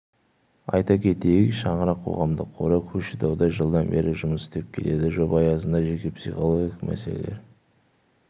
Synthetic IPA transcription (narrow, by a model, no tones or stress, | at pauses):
ɑ̰jt̪ɑkʲʰe̞t̪e̞jɪkʃɑɴəɾɑqʰːo̞̰ʁɑmd̪əqʰːoɾɑkʲʰɵʃɪd̪ɑwd̪ɑʒəlˠd̪ɑnbe̞ɾɪʒʊməsɪ̥t̪ep̚kʲʰe̞le̞d̪ɪʒopɑjɑsənd̪ɑʒe̞kʲe̞psiχolˠoɡʲiqmæ̰selḛle̞̰ɾ